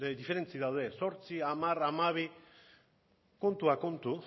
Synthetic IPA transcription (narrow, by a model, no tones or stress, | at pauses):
ðife̞ɾe̞nt͡siðawðe̞so̞ɾt͡siamaɾamaβ̞i | ko̞nt̪uako̞nt̪u